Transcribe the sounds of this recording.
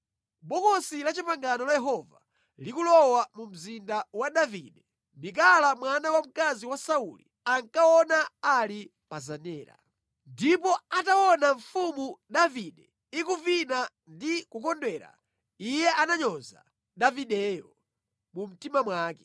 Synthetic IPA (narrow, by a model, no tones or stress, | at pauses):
ɓɔkɔsilat͡ʃipaŋɡanɔlajɛɦɔva̰ | likulɔwamum̩zindawaɗaviːɗɛ | ndik̬alamwanawam̩kaziwasaulḭ | aŋkawɔnaːli | pazanɛːɾa̰ | ndipɔatawɔnaɱfumuɗaviɗɛ | ikuvina | ndikukɔndwɛːɾa̰ | ijɛʔanaɲɔza̰ | ɗaviɗɛːjɔ̰ | mum̩timamwaːkɛ